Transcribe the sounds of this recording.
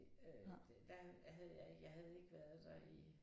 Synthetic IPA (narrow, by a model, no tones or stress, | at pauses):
ød̥d̥æɦæðˠjɑ̈ɪjɑ̈ɪɦæð̞ˠe̝ɡ̥əʋæɐð̩ˠd̥ɑ̈i